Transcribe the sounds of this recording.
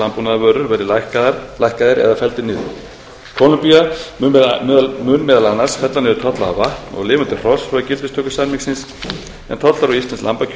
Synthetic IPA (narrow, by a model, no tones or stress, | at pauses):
ampunaðavœːɾʏɾvɛɾðɪɾlajhkaðɪɾɛ̰ðafɛlt̪ɪnɪːðʏ̰ | kʰɔlʏmpia | mʏnmɛːðalanːar̥sfɛt̪lanɛɾʏt̪ʰɔht̪laðavaht̪nɔ̰ɣlɪːvʏnt̪ɪr̥ɔsfɾacɪlt̪ʏst̪ʰœːkʏ̥sanmiksɪns | ɛ̰nt̪ʰɔt̪laɾɔist̪ansla̰mpa